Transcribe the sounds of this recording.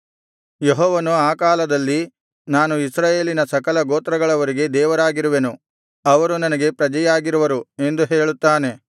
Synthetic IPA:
jeɦɔːʋɐnuaːkaːlɐd̪ɐlːi | naːnuisɾaːje̞ːlinɐsɐkɐlɐɡoːt̪ɾɐɡɐɭɐʋɐɾiɡe̞d̪ɛːʋɐɾaːɡiɾuʋenu | ɐʋɐɾunɐnɐɡe̞pɾɐd͡ʒɐjaːɡiɾuʋɐɾue̞nd̪uɦe̞ːɭut̪ːaːne̞

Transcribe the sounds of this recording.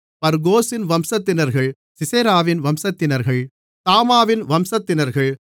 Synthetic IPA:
pɐɾɡoːsɪnʋɐmsɐt̪ːɪnɐɾɣɐɭ | sɪseːɾaːʋɪnʋɐmsɐt̪ːɪnɐɾɣɐɭ | t̪aːmaːʋɪnʋɐmsɐt̪ːɪnɐɾɣɐɭ

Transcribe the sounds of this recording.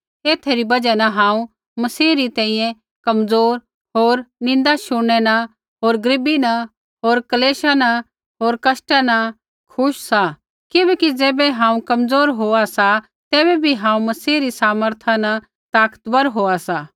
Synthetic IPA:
eːt̪ʰeɾibɐd͡ʒanɐɦãːũ | mɐsiːɾit̪ɛ̃ːĩjɛ̃ | kɐmd͡zoːɾ | ɦoːɾnɪ̃nd̪aʃʊɽ̃ɛna | ɦoːɾɡɾɪbina | ɦoːɾkɐleːʃana | ɦoːɾkɐsʈana | kʰʊʃsa | kɪbɛːkid͡zeːbɛɦãːũkɐmd͡zoːɾɦoːasa | t̪eːβɛbʱiɦãːũmɐsiːɾisaːməɾt̪ʰana | t̪aːkə̥t̪bɐɾɦoːasa

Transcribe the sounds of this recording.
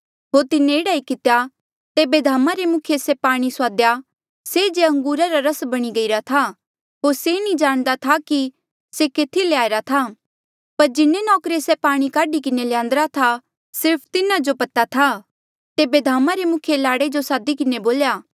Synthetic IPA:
ɦoːɾt̪ɪnːẽɪɽaːikɪt̪ja | t̪eːbed̪ʱaːmaɾemʊkʰjesepaːɽ̃isʊaːd̪ja | sed͡ʒeɐ̃ŋɡuːɾaɾaɾɐsbɐɽ̃iɡɐiɾat̪ʰa | ɦoːɾsenĩd͡ʒaːɽ̃d̪at̪ʰaki | sekeːt̪ʰileaːeɾat̪ʰa | pɐɾd͡ʒɪnːenɔːkɾesepaːɽ̃ikaːɖikɪneljãːnd̪əɾat̪ʰa | sɪɾpʰt̪ɪnad͡ʒopɐt̪at̪ʰa | t̪eːbed̪ʱaːmaɾemʊkʰjelaːɽed͡ʒosaːd̪ikɪneboːljaː

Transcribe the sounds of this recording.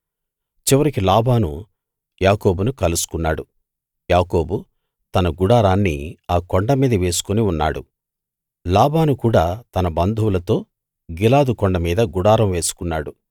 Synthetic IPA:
t͡ʃiʋɐɾikilaːbaːnṵ | jaːko̞ːbunukɐlusu̥kunːaːɽu | jaːko̞ːbu | t̪ɐnɐɡuɽaːɾaːnːḭaːkoɳɖɐmiːd̪ɐʋe̞ːsu̥koniunːa̰ːɽṵ | laːbaːnukuːɽaːt̪ɐnɐbɐnd̪ʱuwulɐt̪o̞ː | ɡilaːd̪ukɔɳɖɐmiːd̪ɐɡuɽaːɾɐmʋe̞ːsu̥kunːaːɽu

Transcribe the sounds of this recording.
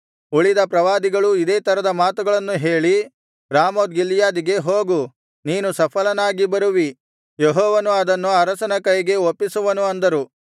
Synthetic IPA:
uɭid̪ɐpɾɐʋaːd̪iɡɐɭuid̪eːt̪ɐɾɐd̪ɐmaːt̪uɡɐɭɐnːuɦe̞ːɭi | ɾaːmoːd̪ɡilːjaːd̪iɡe̞ɦoːɡu | niːnusɐpʰɐlɐnaːɡibɐɾuʋi | jeɦɔːʋɐnuɐd̪ɐnːuɐɾɐsɐnɐkɐjɡe̞opːisuʋɐnuɐnd̪ɐɾu

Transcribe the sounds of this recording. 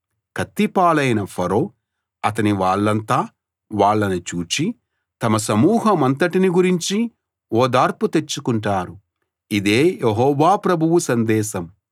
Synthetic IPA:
kʰɐt̪ːipaːlɐjnɐpʰɐɾoː | ɐt̪ɐniʋaːɭːɐnt̪aː | ʋaːɭːɐnit͡ʃuːt͡ʃi | t̪ɐmɐs̬ɐmuːɦɐmɐnt̪ɐʈiniɡuɾiɲt͡ʃi | ɔːd̪aːɾput̪et͡ʃːukuɳʈaːɾu | id̪eːjeɦɔːʋaːpɾɐbʱuʋusɐnd̪ɛːʃɐm

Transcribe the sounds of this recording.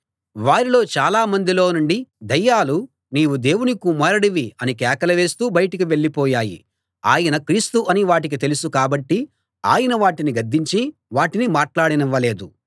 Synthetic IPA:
ʋaːɾilo̞ːt͡ʃaːlaːmɐnd̪ilo̞ːnuɳɖid̪ɐjːaːlu | niːwud̪e̞ːwunikumɐɾɐɽiʋiɐnikɛːkɐlɐʋe̞ːst̪uːbɐjʈɐkiʋe̞ɭːipɔːjaːjḭ | a̰ːjɐnɐkɾiːst̪uʔɐniʋaːʈik̬it̪e̞lusukaːbɐʈːi | a̰ːjɐnɐʋaːʈiniɡɐd̪ːiɲt͡ʃiʋaːʈinimaːʈlaːɽiniʋːɐle̞ːd̪u

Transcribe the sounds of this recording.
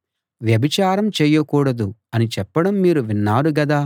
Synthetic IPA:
ʋjɐbʱit͡ʃaːɾɐmt͡ʃɛːjɐkuːɽɐd̪uɐnit͡ʃɛpːɐɽɐmːiːɾuʋinːaːɾuɡɐd̪aː

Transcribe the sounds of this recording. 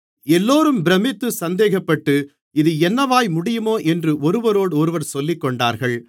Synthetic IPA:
ɛlːoːɾɯmbɪɾɐmɪt̪ːɯsɐnd̪eːɣɐpːɐʈːɯ | ɪðɯɛnːɐʋaːjmʊɽɪjɯmoːʔɛndrɯʔɔɾɯʋɐɾoːɽɔɾɯʋɐɾsɔlːɪkːɔɳɖa̰ːɾɣɐɭ

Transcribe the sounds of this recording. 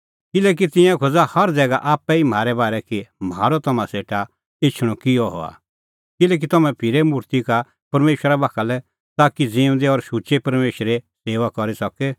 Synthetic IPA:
kɪlɛːk̬it̪ɪ̃jãkʰod͡zahɐɾd͡zɛːɡaʔaːpɛim̤aːɾɛbaːɾɛkimaːɾɔt̪ɐmãseːʈa | ɪt͡ʃʰɽ̃ɔkɪjɔɦɔ̰a̰ | kɪlɛːk̬it̪ɐmɛ̃pʰɪɾɛmʊɾt̪ika | pɐɾmeːʃɾabaːkʰalɛ | t̪aːkid͡zĩːʊ̃nd̪eɔɾʃut͡ʃepɐɾmeːʃɾeseːʋakɔɾisɐkɛ

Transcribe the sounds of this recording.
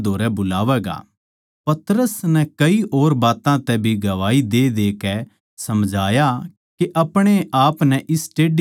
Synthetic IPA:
d̪ʱoːɾɛbʊlaːʋɛːɡa̰ː | pɐt̪ɾəsnɛkɐiʔoːɾbaːt̪ãt̪ɛbʱiɡɐʋaːid̪eːd̪eːkɛ | sɐmd͡ʒʱaːja | keʔɐpɽ̃eaːpnɛʔɪsʈeːɖ

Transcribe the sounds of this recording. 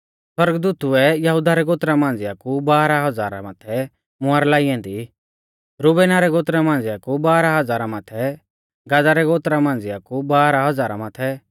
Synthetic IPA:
swɐɾɡd̪uːt̪uɛjɐɦud̪aɾɛɡoːt̪ɾamãːnd͡zɪakubaːɾaɦɐd͡zaːɾa̰maːt̪ʰɛ | mʊaːɾlaːiɛ̃ːnd̪i | ɾubɛːnaɾɛɡoːt̪ɾamãːnd͡zɪakubaːɾaɦɐd͡zaːɾamat̪ʰɛ | ɡadaɾɛɡoːt̪ɾamãːn̆d͡zɪakubaːɾaɦɐd͡zaːɾa̰maːt̪ʰɛ

